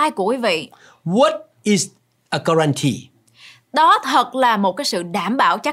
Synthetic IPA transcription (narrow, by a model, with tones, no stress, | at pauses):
aː˧jku˧˩əkwi˨˦vḭ˧˨ | wɔ˨˦t̚ | i˨z | ə˨ɡa˧ɹa˧ntʰḭ˧ | ɗɔ˨˦t̪ʰə˨˩t̚laː˨˩mo˨˩t̚kaː˨˦jsɨ̰˧˨ɗaː˧˩mɓaː˧˩wt͡ɕa˦˥